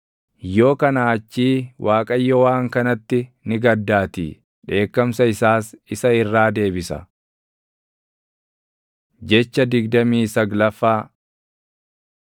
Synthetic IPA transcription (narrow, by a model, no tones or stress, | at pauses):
jo̞ːkɐnaːt͡ʃːiːwʔaːkʼɐjːɔwaːŋkɐnɐt̪ːɪnɪɡɐd̪ːaːt̪ḭː | ᶑe̞ːkːɐmsɐɪsaːsɪsɐɪrːaːd̪e̞ːbɪsɐ̰ | d͡ʒɛt͡ʃːɐd̪ɪɡd̪ɐmiːsɐɡlɐfːaː